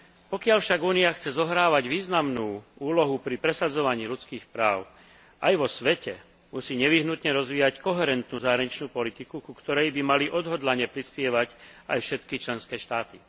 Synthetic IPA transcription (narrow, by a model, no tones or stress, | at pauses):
pɔkɪaʎfʃaɡuːniaxt͡sɛzɔɦɾaːʋaɟʋiːznamnuːuːlɔɦupɾipɾɛsad͡zɔʋaɲiːʎut͡skiːxpɾaːʊ | ʔajʋɔsʋɛcɛ | musiːɲɛʋiɦnut̪ɲɛɾɔzʋiːjackɔɦɛɾɛnt̪nuːzaːɦɾaɲit͡ʃnuːpɔlit̪ikukukt̪ɔɾɛjbimaliʔɔd̪ɦɔd̪laɲɛpɾispɪɛʋaca̰jfʃɛt̪kit͡ʃlɛnskɛːʃt̪aːt̪i